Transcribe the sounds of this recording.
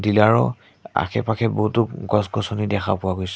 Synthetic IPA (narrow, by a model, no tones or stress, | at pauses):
dilaɹɔ̰ | a̰kʰɛ̰pakʰɛboɦutʊɡɔsɡɔsɔnidɛxapʊwaɡojs